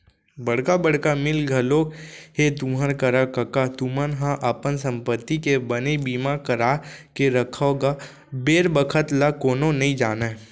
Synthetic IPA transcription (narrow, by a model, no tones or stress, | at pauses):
bɐɽ̤kabəɽ̤kamɪlɡʱɐloːkhet̪ʊmɦəɾkəɾakɐkat̪umənɦãʔəpənsə̃mpət̪ːikebənebiːmakəɾakeɾəkʰoɡa | beːɾbəkʰət̪lakoːnonɐɦĩd͡ʒaːna